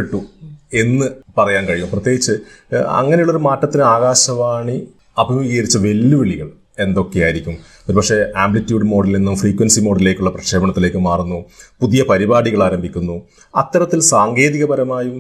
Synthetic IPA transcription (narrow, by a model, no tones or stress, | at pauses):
eʈːue̞nːɨpɐrɐjaːnkɐɻijumprɐt̪ːjeːɡit͡ɕːɨ | ɐ̰ŋːɐnejuɭːoɾumaːʈːɐt̪ːinɨaːɣaːɕɐʋaːɳi | ɐbʱimʋiɣɐɾit͡ɕːɐʋe̞lːuʋeɭiɣɐɭ | e̞nd̪o̞kːejaːjiɾikʲːum | o̞ɾupɐkʂe̞aːmblitːjuːɖɨmo̞ːɽɐlninːumfriːkːwɐnsimo̞ːɽɐlile̞ːkʲːuɭːɐprɐkʂe̞ːbɐɳɐt̪ːile̞ːkːɨmaːrunːupuðijɐpɐɾibaːɽiɣɐɭaːɾɐmbʱikʲːunːu | ɐt̪ːɐɾɐt̪ːilsaːŋɡe̞ːðiɣɐbɐɾɐmaːjum